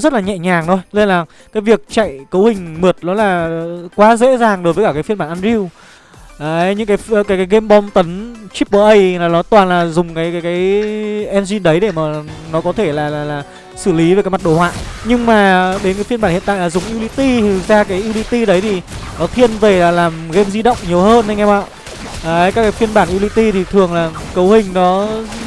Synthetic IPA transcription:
zə˦˥t̚laː˨˩ɲɛ̰˧˨ɲaː˨˩ŋt̪ʰo˧jle˧nlaː˨˩ | kaː˨˦jvi˨˩ək̚t͡ɕa̰˧˨jkə˨˦whï˨˩ŋ̟mɨ˨˩ət̚nɔ˨˦laː˨˩kwaː˨˦zḛ˧˥zaː˨˩ŋɗo˨˦jvə˨˦kaː˧˩kaː˨˦jfi˧nɓaː˧˩nʔa˧nzi˧w | aː˨˦˧ɲɨ̰˧˥ŋkaː˨˦jkaː˨˦jkaː˨˦ɣe˧mɓɔ˧wmt̪ə˨˦nt͡ɕi˦˥p̚ɓəː˧˩ʔə˧jlaː˨˩nɔ˨˦t̪waː˨˩nlaː˨˩zʊ˨˩ŋ͡mkaː˨˦jkaː˨˦jkaː˨˦jʔɛ˧nzi˧nɗə˨˦jɗe˧˩maː˨˩nɔ˨˦kɔ˨˦t̪ʰe˧˩laː˨˩laː˨˩laː˨˩ | sɨ˧˩li˨˦ve˨˩kaː˨˦jma˨˩t̚ɗo̰˧˩hwa̰ː˧˨jɲɨ˧ŋmaː˨˩ɗe˨˦nkaː˨˦jfi˧nɓaː˧˩nhḭ˧˨nt̪a̰ː˧˨laː˨zʊ˨˩ŋ͡mʔi˧wli˨˧t̪i˧˨˩zaː˧kaː˨˦jʔi˧wli˧t̪i˧ɗə˨˦jt̪ʰi˨˩nɔ˨˦t̪ʰi˧ənve˨˩laː˨˩laː˨˩mɣe˧mzi˧ɗə̰˧˨wŋ͡mɲi˨˩əwhəː˧nhə˧jŋɛ˧ma̰ː˧˨ʔ | ʔəː˨˦jkaː˦˥kːaː˨˦jfi˧ənɓaː˧˩nʔi˧wli˧t̪i˧t̪ʰi˨˩t̪ʰɨ˨˩əŋlaː˨˩ | kə˨˦whï˨˩ŋ̟nɔ˨˦

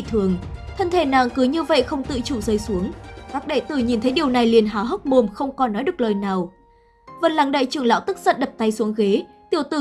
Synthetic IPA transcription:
t̪ʰɨ˨˩əŋt̪ʰə˧nt̪ʰe˧˩naː˨˩ŋkɨ˨˦ɲɨ˧və̰˧˨jxə˧wŋ͡mt̪ɨ̰˧˨t͡ɕu˧˩zəː˧˩jsu˨˦əŋkaː˦˥k̚ɗe˧˩t̪ɨ˧˩ɲi˨˩nt̪ʰə˨˦jɗi˨˩əwna˨˩jli˨˩ənɦaː˨˦ɦə˦˥k͡p̚mo˨˩mxə˧wŋ͡mkɔ˨˦nːɔ˨˦ɗɨ˨˩ək̚ləː˨˩jnaː˨˩w | və˨˩nlaː˨˩ŋɗə̰˧˨jt͡ɕɨ˨˩əŋla̰ː˧˥wt̪ɨ˦˥k̚sə̰˧˨nɗə˨˩p̚t̪a˧jsu˨˦əŋɣe˨˦ | t̪i˧˩əwt̪ɨ˧˩

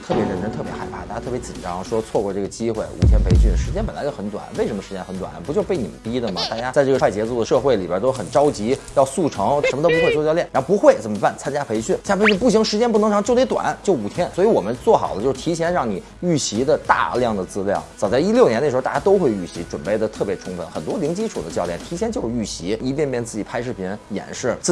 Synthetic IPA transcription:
t̪ʰɤ˥˩pjɛ˧˥ɻə˧˥nʈ͡ʂə˥nt̪ʰɤ˥˩pjɛ˧˥xa˧˩ɪpʰa˥˩t̪a˥˩ja˥t̪ʰɤ˥˩pjt͡ɕi˨˩nʈ͡ʂɑ˥ŋʂwɔ˥t͡sʰwɔ˥˧kwɔ˥˧ʈ͡ʂɤ˥˩ɡə˩t͡ɕi˥xwe˥˩ɪṵ˨˩t̪ʰjɛ˥npʰe˧˥ɪɕy˥˩nʂɻ̩˧˥t͡ɕjɛ˥npə˨˩la̰˧ɪt͡ɕo˥˩xə˧˥nt̪wa̰˨˩nwe˥˩ɪʂə˧˥mə˧ʂɻ̩˧˥t͡ɕjɛ˥nxə˧˥nt̪wa̰˨˩npu˧˥t͡ɕjo˥˧ʊpe˥˩ɪni˨˩mə̰˦np̪i˥d̪ə˨mɐ˩t̪a˥˩t͡ɕja˥t͡sa˥˧ɪʈ͡ʂɤ˥˩˧wa˥˩ɪt͡ɕjɛ˧˥t͡su˥˩ə˩ʂɤ˥˧xwe˥˩lḭ˨˩bjɛ̰˧˥t̪o˥ʊxə˨˩nʈ͡ʂɑ˥ʊt͡ɕi˧˥jɑ˥˧ʊsu˥˩ʈ͡ʂʰɤ˧˥ŋʂə˧˥mə˧t̪o˥pu˧˥xwe˧o˥˧˩jɑ˥˧ljɛ˥˩˨ɻxpu˧˥xwe˥˩ɪt͡sə˨˩mə˦pa˥˩nt͡sʰa˥nt͡ɕja˥pʰe˧˥ɪɕy˥˩n˨˥pʰɕy˥˧npu˥˩ɕi˧˥ŋʂɻ̩˧˥t͡ɕjɛ˥np̬u˩˧˥ŋʈ͡ʂʰŋt͡ɕjʊt̪e˥ɪt̪wa̰˨˩˦nt͡ɕjo˥˩ʊu˨˩t̪ʰjɛ˥nswɔ˧˥i˧˥wɔ˨˩mə˦nt͡swɔ˥˩xɑ˨˩ʊə˦t͡ɕjo˥˧ʊʂʰi˧˥ɕ̬ʰjɛ˧˥nɻɑ˥˩ŋni˨˩ | y˥˩ɕi˧˥d̪ə˨t̪a̰˥˧ljɑ˥˩ŋd̪ə˩t͡sɹ̩˥˧ljɑ̰˥˩ŋt͡sɑ˨˩ʊt͡sa˥˩ɪi˥ljʊnjɛ˥nə˩ʂ̩˧˥˧t̪a˥˧˩ja˥t̪o˥ʊxwe˥˧ɪy˥˩ɕi˧˥ʈ͡ʂwə˨˩npe˥˩ɪd̪ə˩t̪ʰɤ˥˩pjɛ˧˥ʈ͡ʂʰʊ˥ŋfə̰˧˥nxə˨˩nt̪wɔ˥li˧˥ŋt͡ɕi˥ʈ͡ʂʰu˨˩d̪ə˦t͡ɕjɑ˥˧ljɛ˥˩nt̪ʰi˧˥ɕʰjnt͡ɕjo˥˧ʊʂy˥˩ɕi˧˥i˧˥p̬jɛ˥˧npjɛ˥˧nt͡sɹ̩˥˩t͡ɕi˨˩pʰa˥ɪʂɻ̩˥˩pʰi˧˥jɛ̰˨˧˩nʂɻ̩˥˩t͡s̩˥˩

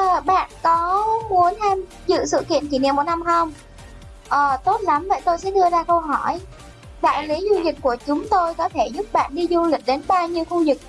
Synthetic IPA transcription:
ə˨˩ɓa̰ː˧˨nkɔ˨˦mu˨˦ənhaː˧m | zɨ̰˧˨sɨ̰˧˨kḭ˧˨ənt͡ɕi˧˩nḭ˧˨mo˨˩t̚na˧mhə˧wŋ͡m | ʔəː˨˩t̪o˦˥t̚la˨˦mvə̰˧˨jt̪o˧jsɛ̰˧˥ɗɨ˧əzaː˧kə˧wɦɔ˧˩j | ɗa̰ː˧˨jli˨˦zu˧lï˨˩k̟̚ku˧˩ət͡ɕʊ˨˦ŋ͡mt̪o˧jkɔ˨˦t̪ʰe˧˩zʊ˦˥p̚ɓa̰ː˧˨nɗi˧zu˧lï˨˩ɗe˨˦nɓaː˧wɲi˧əwxu˧zɨ˨˩k̚

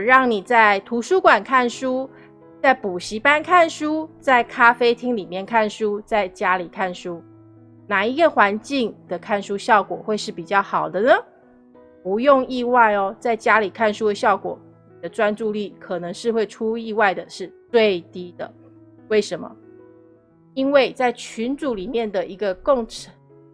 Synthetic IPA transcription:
ɻɑ˥˩ŋni˨˩t͡sa˥˩ɪt̪ʰu˧˥ʂu˥kwa˨˩nkʰa˥˩nʂu˥ | t͡sa˥˩ɪpu˨˩ɕi˧˥pa˥nkʰa˥˩nʂu˥t͡sa˥˩ɪkʰa˥fe˥ɪt̪ʰi˥ŋli˨˩mjɛ˥˧nkʰa˥˩nʂu˦t͡sa˥˩ɪt͡ɕja˥li˨˩kʰa˥˩nʂu˥ | na˨˩i˧˥ɡə˨xwa˧˦nt͡ɕi˥˧ŋd̪̥ə˨kʰa˥˩nʂu˥ɕjɑ˥˩ʊkwɔ˨˩xwe˥˧ɪʂɻ̩˥˩pi˨˩t͡ɕjɑ˥˩ʊxɑ˨˩ʊd̪ə˦nə˦ | pu˧˥jʊ˥˧ŋi˥˧wa˥˧ɪɔ˨t͡sa˥˩ɪt͡ɕja˦˥li˨˩kʰa˥˩nʂu˥d̪ə˨˧ɕjɑ˥˩ʊkwɔ̰˨˩˦ | d̪ə˦ʈ͡ʂwa˥nʈ͡ʂu˥˧li˥˩kʰɤ˨˩nɤ˧˦ŋʂɻ̩˥˧xwe˥˩ɪʈ͡ʂʰu˥i˥˧wa˥˩ɪd̪ə˩ʂɻ̩˥˧t͡swe˥˧ɪt̪i˥d̪ə̰˨ | we˥˩ɪʂə˧˥nmə̰˧ | i˥nwe˥˩ɪt͡sa˥˩ɪt͡ɕʰy˧˥nt͡su˨˥li˨˩mjɛ˥˩nd̪ə˩ʔi˧˥ɡə˧ko˥˩ŋʈ͡ʂʰə˨˧˦

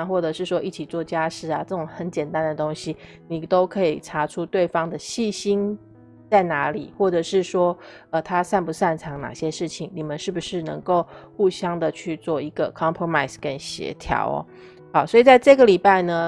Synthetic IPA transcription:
xwɔ˥˩ʈ͡ʂɤ˨˩ʂɻ̩˥˩ʂwɔ˥ʔi˥˩t͡ɕʰi˨˩t͡swɔ˥˩t͡ɕja˥ʂɻ̩˥˩a˨ʈ͡ʂɤ˥˩ʈ͡ʂʊ˨˩ŋxə˧˥nt͡ɕjɛ˨˩nt̪a˥˦nd̪ə˨˩t̪o˥ŋɕi˦ | ni˨˩t̪o˥ʊkʰɤ˧˥i˨˩ʈ͡ʂʰa˧˥ʈ͡ʂʰu˦t̪we˥˩ɪfɑ˥ŋd̪ə˨ɕi˥˩ɕi˥n | t͡sa˥˩ɪna˧˥li˨˩xwɔ˥˩ʈ͡ʂɤ˨˩ʂɻ̩˥˩ʂwɔ˥ | ə˧t̪ʰa˥sa˥˩npu˧sa˥˩nʈ͡ʂʰɑ˧˥ŋna̰˨˩ɕjɛ˥ʂɻ̩˥˩t͡ɕʰi˨˩ŋni˨˩mə˦nʂɻ̩˥˩bu˩ʂɻ̩˥˩nɤ̰˧˥ŋko˥˧ʊxu˥˧ɕjɑ˥ŋd̪ə˨t͡ɕʰy˥˧t͡swɔ˥˩i˧˥ɡə̰˧kʰɑ˥mpʰɹo˧ma˥˩ɪskə˦nɕjɛ̰˧˥t̪ʰjɑ̰˧˥ʊ̰˦ | xɑ˨˩ʊswɔ˧˥i˨˩t͡sa˥˧ɪʈ͡ʂɤ˥˩ɡə˨˩li˨˩pa˥˩ɪnə˩

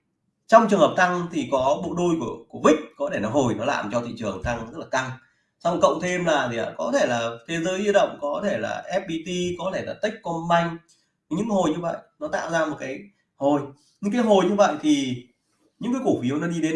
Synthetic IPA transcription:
t͡ɕɔ˧wŋ͡mt͡ɕɨ˨əŋhəː˨˩p̚t̪ʰa˧ŋt̪ʰi˨˩kɔ˨˦ɓo̰˧˨ɗo˧jku˧˩əku˧˩əvï˦˥k̟̚kɔ˨˦ɗe˧˩nɔ˨˦ɦo˨˩jnɔ˨˦la̰ː˨˩mt͡ɕɔ˧t̪ʰḭ˧˨t͡ɕɨ˨˩əŋt̪ʰa˧ŋzə˦˥t̚laː˨˩ka˧ŋ | sa˧wkə̰˧˨wŋ͡mt̪ʰe˧mlaː˨˩t̪ʰi˨˩ə˨˩kɔ˨˦t̪ʰe˧˩laː˨˩t̪ʰe˨˦zəː˨˦jzi˧əɗə̰˧˨wŋ͡mkɔ˨˦t̪ʰe˧˩la̰ː˨˩ʔɛ˦˥p̚ɓi˧t̪i˧kɔ˨˦t̪ʰe˧˩laː˨˩t̪i˦˥k̟̚kɔ˧nma˧jŋ̟˦ | ɲɨ̰˧˥ŋho˨˩jɲɨ˧və̰ː˧˨jʔnɔ˨˦t̪a̰ː˧˨wzaː˧mo˨˩t̚kaː˨˦j | ho˨˩j | ɲɨ˧ŋkaː˨˦jɦo˨˩jɲɨ˧va̰˧˨jt̪ʰi˨˩ | ɲɨ̰˧˥ŋkaː˨˦jku˧˩fi˨˦əwnɔ˨˦ɗi˧ɗe˨˦n

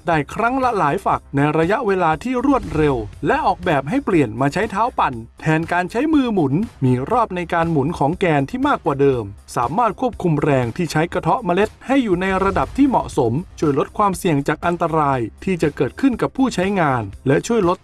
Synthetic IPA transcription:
daː˥˩jkʰɾa˦˥ŋla˦˥laː˩˦jfa˨˩k̚na˧jɾa˧ja˦˥ʔweː˧laː˧t̪ʰiː˥˩ɾu˥˩ət̪̚ɾe˧wlɛ˦˥ʔɔː˨˩k̚bɛː˨˩p̚ɦa˥˩jpli˨˩ənmaː˧t͡ɕʰa˦˥jt̪ʰaː˦˥wpa˨˩nt̪ʰɛː˧nkaː˧nt͡ɕʰa˦˥jmɯː˧mu˨˩˦nmiː˧ɾɔː˥˩p̚na˧jkaː˧nmu˨˩˦nkʰɔː˩˦ŋkɛː˧nt̪ʰiː˥˩maː˥˩kwaː˨˩dɤː˧msaː˩˦maː˥˩t̪̚kʰu˥˩əp̚kʰu˧mɾɛː˧ŋt̪ʰiː˥˩t͡ɕʰa˦˥jka˧t̪ʰɔ˦˥ʔma˧le˦˥t̪̚ha˥˩jːuː˨˩na˧jɾa˧da˨˩p̚t̪ʰiː˥˩mɔ̰˨˩ʔso˩˦mt͡ɕʰu˥˩əjlo˦˥t̪̚kʰwaː˧msi˨˩əŋt͡ɕaː˨˩k̚ʔa˧nt̪a˧ɾaː˧jt̪ʰiː˥˩t͡ɕa˨˩kɤː˨˩t̪̚kʰɯ˥˩nka˨˩pʰːuː˥˩t͡ɕʰa˦˥jŋaː˧nlɛ˦˥t͡ɕʰu˥˩əjlo˦˥t̪̚

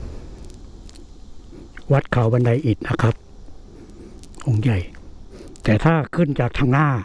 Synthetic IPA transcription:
wa˦˥t̪̚kʰa˨˦wba˧˦nda˧˩jʔiː˨˩t̪̚na˦˧˥kʰa˦˥p̚ | ʔo˧˩˦ŋja˨˧˩j | t̪ɛː˨˩t̪ʰaː˥˩kʰɯ˥˩˨nt͡ɕaː˨˩k̚t̪ʰa˧˩ŋnaː˧˥˩

